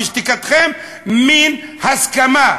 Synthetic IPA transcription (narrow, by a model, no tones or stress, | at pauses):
iʃt̪ikat̪χem | minhaskama